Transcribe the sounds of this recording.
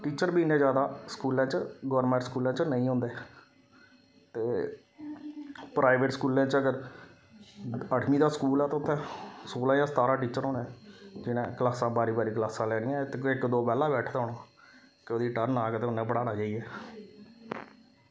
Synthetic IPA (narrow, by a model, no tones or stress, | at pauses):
ʈiːt͡ʃəɾbiːnẽːzd͡ʒjaːd̪aːskuːlãːt͡ʃɡɔːɾmɛ̃ːɳʈskuːlãːt͡ʃnəĩːɦõːnd̪eː | t̪eː | pɾaːɪʋeːʈskuːlãːt͡ʃəɡəɾ | əʈʰmiːd̪aːskuːlɛːt̪ːʊt̪ʰːɛ̃ːsoːlãːjãːst̪aːɾãːʈiːt͡ʃəɾɦõːnɛ̃ːd͡ʒɪnḛ̃ːklaːsãːbaːɾiːbaːɾiːklaːsãːlɛːɽɪjãːt̪ːɪkd̪oːpɛːlãːbɛːʈʰd̪aːʊnaː | kɪoːd̪iːʈəɾnaːkt̪eːʊnẽːbəɽaːnaːd͡ʒaːiɛː